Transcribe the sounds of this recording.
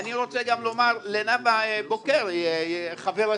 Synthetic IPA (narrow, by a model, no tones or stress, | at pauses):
aniʁo̞t͡seɡamlo̞maʁlenabaebokeʁχaveʁa